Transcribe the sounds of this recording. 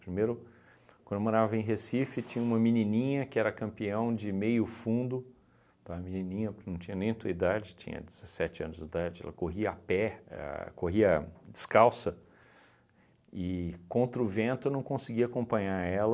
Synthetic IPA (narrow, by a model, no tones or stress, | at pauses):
pɾimejɾʊ | kɐ̃d̪emɐ̃avɐẽj̃ɦesifɪt͡ʃĩɲɐũmɐminĩnĩɲɐkɪɛɾɐkɐ̃mpiɐ̃w̃d͡ʒɪmejʊfũnd̪ʊ | t̪aɐmĩninĩɲɐpʊɾkɪnɐ̃w̃t͡ʃĩɲɐnẽj̃t̪uɐid̪ad͡ʒɪt͡ʃḭ̃ɲɐ̰d͡ʒɪz̥esɛt͡ʃɪɐ̃nʊzd͡ʒɪd̪ad͡ʒɪɛ̰lɐkoɦiɐapɛa̰koɦiɐd͡ʒɪskawsɐ | ɪkõnt̪ɾɐʊvẽnt̪ʊewnɐ̃w̃kõsɪɡiɐakõmpɐ̃ɲaɾɛlɐ